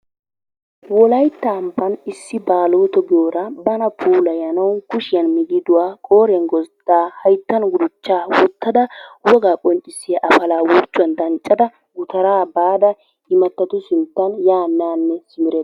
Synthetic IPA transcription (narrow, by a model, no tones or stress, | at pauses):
wɔlɐjt̪ːaːmpːɐnɪsːɪbaːloːt̪ɔɡɪjoːɾɐbɐnɐpʰuːlɐjɐnɐwkʊʃɪjɐnmɪɡɪd̪ʊwaːkʼoːɾɛnɡɔd̪̥aːhɐjt̪ːɐnɡʊd̪ʊt͡ʃːaːwɔt̪ːɐd̪ɐwɔɡaːkʼɔnt͡ʃʼːɪsːɪjɐʔɐfɐlaːwɔɾt͡ʃːʊwɐnd̪ɐnt͡ʃʼːɐd̪ɐ | ɡʊt̪ɐɾaːbaːd̪ɐ | ɪmɐt̪ːɐt̪ʊsɪnt̪ːɐnjaːnːaːnːɛsɪmɪɾeːd̪